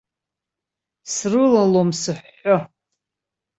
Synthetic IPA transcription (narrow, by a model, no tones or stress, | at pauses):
srɨlalomsɨħːo